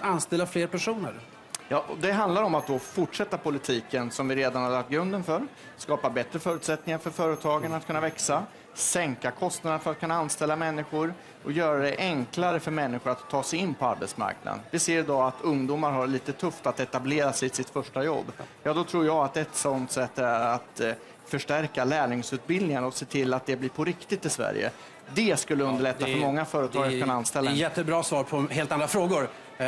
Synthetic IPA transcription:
anst̪ɛlːafleːɾpæʂuːnə̰ɾ | jɑːʔɔd̪ɛɦand̪laɾɔmat̪̚d̪ɔfʊʈʂɛt̪ːapʊlɪt̪ʰiːkənsɔmvɪɾeːd̪anhaɾlakt̪̚ɡɾɵnd̪ənfœɾ | skɑːpabɛt̪ɾəfœːɾʉ̟t̪sɛt̪nɪŋaɾfœɾfœːɾət̪ʰɑːɡənat̪̚kʰɵnːavɛksa | sɛŋkakʰɔst̪nad̪əfœɾat̪̚kʰɵnːaanst̪ɛlːamɛnːɪɧʊɾ | ʔɔjœːɾad̪ɛʔɛŋklaɾəfœɾmɛnːɪɧʊɾat̪ʰːɑːsɛjɪnːpʰɔa̰ɾbɛ̰t̪sma̰ɾkna̰d̪ə̰nvɪseːɾd̪ɔat̪ɵŋd̪uːmaɾɦaɾɭiːt̪ət̪ʰɵft̪at̪ɛt̪ableːɾasɛsɪt̪fœʂʈajɔ̰bːjɑːd̪ɔt̪ʰɾuːɾjaːat̪̚ɛt̪sɔnt̪sɛt̪ːæɾat̪ | fœʂʈæɾkalæːɳɪŋsʉ̟t̪̚bɪld̪d̪nɪŋənɔseːt̪ʰɪlːat̪̚d̪ɛblɪːɾpʰɔɾɪkt̪ɪt̪ːɪsvæ̰ɾjə̰ | d̪ɛskɵlːəɵnd̪əɭɛt̪ːafœɾmɔŋːafœːɾət̪ʰɑːɡaɵnaanst̪ɛlːajɛt̪ːəbɾɑːsvɑːɾpʰɔɦeːlt̪and̪ɾafɾoːɡʊɾ

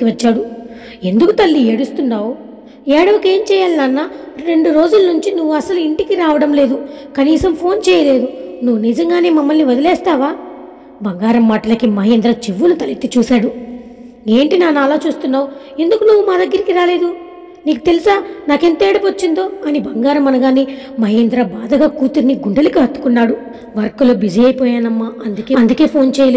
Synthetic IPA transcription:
iʋɐt͡ʃːaːɽu | e̞nd̪ukut̪ɐlːieɽust̪unːaːwu | ɛːɽɐʋɐke̞ːmt͡ʃɛːjaːlinaːnːaːɾe̞ɳɖuɾo̞ːd͡ʒulɐnuɲt͡ʃinuʋːuɐsɐluiɳʈikiɾaːʋɐɽɐmle̞ːd̪ukɐniːsɐmpʰo̞ːnt͡ʃɛːjɐle̞ːd̪unuʋːunid͡ʒɐŋɡaːne̞ːmɐmːɐlniʋɐd̪ilɛːst̪aːʋaː | bɐŋɡaːɾɐmːaːʈɐlɐkimɐɦeːnd̪ɾɐt͡ʃiʋːulut̪ɐlit̪ːit͡ʃuːsaːɽu | e̞ːɳʈinaːnaːlaːt͡ʃuːst̪unːaːu | e̞nd̪ukunuʋːumaːd̪ɐɡːɐɾikiɾaːle̞ːd̪u | niːku̥t̪e̞lisaːnaːke̞nt̪eːɽɐpɐt͡ʃːind̪o̞ːɐnibɐŋɡaːɾɐmːɐnɐɡaːnimɐɦeːnd̪ɾɐbaːd̪ɐɡaːkuːt̪uɾniɡuɳɖɐlikiɦɐt̪ːu̥kunːaːɽu | ʋɐɾkuloːbid͡ʒiɐːjpoːjaːnɐmːaɐnd̪ukeːɐnd̪uke̞ːpʰo̞ːnt͡ʃɛːjɐlː

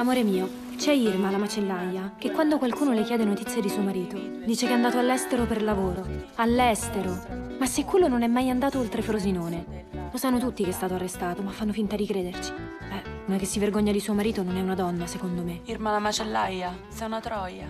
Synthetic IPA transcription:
amoːɾemiːo | t͡ʃɛirmalamat͡ʃelːajːakekːwand̪okwalkuːnolekjɛːd̪enot̪it̪sːjed̪isuːomaɾiːt̪o | d̪iːt͡ʃekeɛand̪aːt̪oalːɛst̪eɾoperlavoːɾoalːɛst̪eɾomasːekːwelːononɛmːajand̪aːt̪oolt̪ɾefɾozinoːne | losanːot̪ut̪ːikeɛst̪aːt̪oarːest̪aːt̪omafːanːofint̪ad̪ikɾeːd̪ert͡ʃi̥ | ɛnɛk̟esːiverɡoɲːad̪isuːomaɾiːt̪ononɛunad̪ɔnːasekond̪omeirmalamat͡ʃelːaja | sanat̪ɾɔja

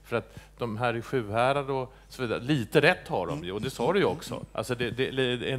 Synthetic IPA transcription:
fœɾat̪d̪ɔmɦæːɾɧʉ̟ːɦæːɾaɾɔ | sɔviːd̪a̰ɾliːt̪əɾɛt̪ːhaɖɔ̰mjːd̪ɛsɑːɾɵjɔksɔ̰ʔa̰lsɔd̪ɛd̪ɛlɛ

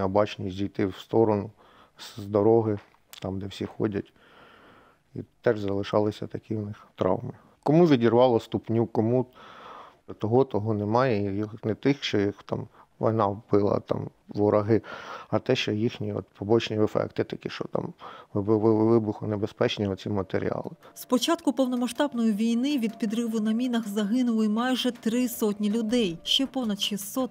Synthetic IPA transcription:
ɔbɑt͡ʃnʲisʲdʲijt̪ɪwst̪ɔɾɔnʊ | szd̪ɔɾɔɦɪ | t̪ɑmd̪ɛwsʲixɔ̰dʲɐtʲ | ḭt̪ɛʐzɐlˠɪʃɑlˠɪsʲɐt̪ɐkiwnɪxt̪ɾɑ̰wmɪ | kɔmuʋʲidʲirʋɑlˠɐst̪ʊpnʲukɔmu | t̪ɔɦɔt̪ɔɦɔnɛmɑjɛijɔxnɛt̪ɪxʃt͡ʃɔjixt̪ɑ̰m | ʋɔ̰jnɑbɪlˠɐ̰t̪ɑ̰m | ʋɔɾɐɦɪɐt̪ɛʃt͡ʃɔjixnʲiɔ̰t̪pʰɔbɔt͡ʃnʲiɛfɛ̰kt̪ɪt̪ɐkɪʃt͡ʃɔ̰t̪ɑ̰mʋbˠʋɪbʊxʊnebespɛt͡ʃnʲiɔt͡sʲimɐt̪eɾʲḭɑ̰lˠɪspɔt͡ʃɑt̪kʊpɔwnɔmɐʃt̪ɑbnɔjiʋʲijnɪʋʲid̪pʲid̪rɪʋʊnɐmʲinɐxzɐɦɪnʊlˠɪmɑjʒɛt̪ɾɪsɔtʲnʲilʲʊd̪ɛjʃt͡ʃɛpɔwnɐd̪ʃɪsɔt̪

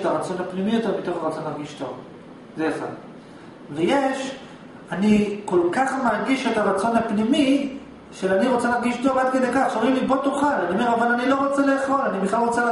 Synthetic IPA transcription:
taʁat͡so̞nhapnimijo̞te̞ʁmit̪o̞χaʁat͡so̞nlaʁɡiʃt̪o̞v | zeaχa̰d | vejeʃ | aniko̞lkaχmaʁɡiʃetaʁat͡so̞nhapnimi | ʃeaniʁo̞t͡selaʁɡiʃto̞vad̪̚ked̪ejkaχoʁimlibotuχalaniome̞ʁavalanilo̞ʁo̞t͡sele̞ːχo̞lanibiχlalʁo̞t͡se

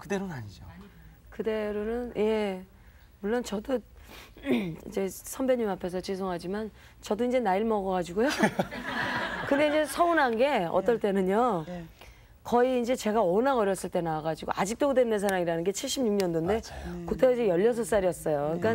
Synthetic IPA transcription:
kɯdeɾonaɲid͡ʑo | kɯde̞ɾonɯnje̞ | muɭːont͡ɕʌdo | ḭd͡ʑe̞sʰʌmbeɲumapʰe̞s̬ʰʌt͡ɕis̬ʰoŋɦad͡ʑiman | t͡ɕʌdoind͡ʑe̞naiɭmʌɡʌɡad͡ʑiɡojo | kɯnde̞ind͡ʑe̞sʰʌunɦanɡe̞ʌ̰t͈ʌɭt͈e̞nɯɲo | kʌiːnd͡ʑe̞t͡ɕe̞ɡaʌnaɡʌɾjʌs͈ɯɭt͈e̞nawaɡad͡ʑiɡo̰ʔad͡ʑik̚t͈oɡɯdwenːɯns̬ʰaɾaŋiɾanɯnɡe̞t͡ɕʰiɭɕ͈ʰimɲuŋɲʌndonde̞kotʰed͡ʑejʌʎːʌs̬ʰʌs͈aɾiʌs͈ʌjok͈an

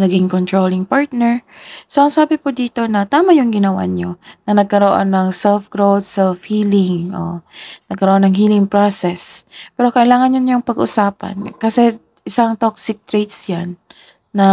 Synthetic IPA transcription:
nɐɡɪŋkont̪ɹolɪŋpaɹt̪̚nɛɹsoʔɐŋsaːbɪpʊd̪iːt̪o̞nɐt̪aːmɐjʊŋɡɪnɐwa̰ɲonɐnɐɡ̚kɐɾoʔo̰nːɐŋsɛlfɡ̥ɹowd̪̚sɛlfhiːlɪŋʔo̰nɐɡ̚kɐɾoʔonːɐŋɦiːlɪŋpɹosɛspɛːɾo̞kɐʔɪlaːŋɐnɲʊnːoŋpɐɡʔʊ̰saːpɐ̰nkɐsɛ | ʔɪsaŋt̪ok̚sɪk̚t̪ɹejt̪sjanː | ɐ

